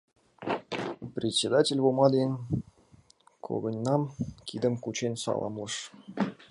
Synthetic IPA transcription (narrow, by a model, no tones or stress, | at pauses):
prʲet̪ʲsʲed̪atʲelʲvomɑd̪ʲenʲ | kʰo̰ɡɤ̆nʲnɑmkʰʲid̪ə̆mkut͡ɕenʲsɑ̰lˠɑ̰mlˠɤ̆ʂ